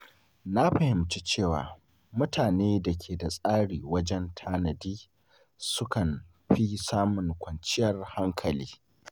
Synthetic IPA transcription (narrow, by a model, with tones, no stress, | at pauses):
na˦ɸɐ˨hɪ˨mt͡ʃi˦t͡ʃeː˦˨wa̰ː˨ | mʊ˦tʰaː˨neː˦dɐ˨kʲʰeː˨da˨sʼaː˦ɽiː˨wɐ˦d͡ʒɛ˦ntʰaː˦nɐ˨diː˦ | sʊ˦kɐ˨n | ɸi˦saː˦mʊ˨ŋkʷɐ˨nt͡ʃɪ˦jɐ˨rha˦ŋkʰɐ˨liː˦